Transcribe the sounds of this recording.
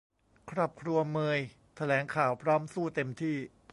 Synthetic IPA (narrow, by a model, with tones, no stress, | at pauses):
kʰɾɔː˨˩p̚kʰɾu˧ɐmɤː˧j | t̪ʰa˧lɛː˩˦ŋkʰaː˨˩wpʰɾɔː˦˥msuː˥˩t̪e˧mt̪ʰiː˥˩